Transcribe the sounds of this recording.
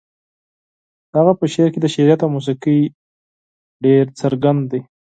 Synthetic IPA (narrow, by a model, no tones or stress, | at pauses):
haɣapəʃeɾked̪əʃeɾijat̪awmus̬iqij | ɖeɾt͡səɾɡand̪d̪e